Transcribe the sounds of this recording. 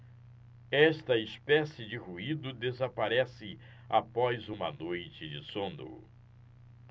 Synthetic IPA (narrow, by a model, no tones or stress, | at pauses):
ɛʃt̪ɐɪspɛsɪd͡ʒɪhuid̪ʊd̪ezapaɾɛsɪ | apɔzũmɐnojt͡ʃɪd͡ʒɪsõnd̪ʊ̰